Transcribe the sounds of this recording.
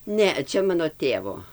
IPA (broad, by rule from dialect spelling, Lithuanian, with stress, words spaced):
ˈnʲɛ ˈt͡ʃʲɛ ˈmɑːnoː ˈtʲeːʋoː